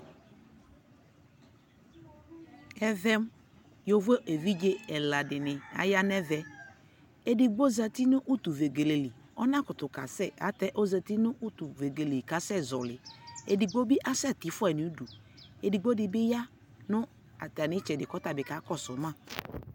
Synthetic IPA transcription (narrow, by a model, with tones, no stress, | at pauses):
ɛ˦vɛ˦m | jo˨ve˦ʔe˨vi˦d͡ʒe˦ɛ˨la˨dɪ˨nɪ˨a̰˨ja˦nɛ˦vɛ˨ | e˦di˨ɡ͡bo˦za˨ti˦nʊ˦ʔu˦tu˨ve˨ɡe˨le˨li˨ | ɔ˦nã˦kʊ˨tʊ˨ka˨sɛ˦˨a̰˨˦tɛ˦ʔo˦za˨ti˦nʊ˦ʔu˦tu˨ve˨ɡe˨le˨ka˨˦sɛ˦˨zɔ˨lɪ˨ḛ˨di˨ɡ͡bo˦bɪ˦ʔa˦sɛ˦˨tɪ˨˦fʊ˦ɛ˨ni˨˦du˨ | e˨di˨ɡ͡bo˦dɪ˨bɪ˦ja˦ | nʊ˦ | a˨ta˨nɪ˨˦t͡ʃɛ˨dɪ˨kɔ˦ta˨bɪ˨ka˨˦kɔ˦˨sʊ˨˦mã˦˨